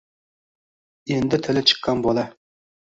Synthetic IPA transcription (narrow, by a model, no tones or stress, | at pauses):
end̪ɪt̪ʰɪlɪt͡ʃʰɨ̥qːɑnbolˠɑ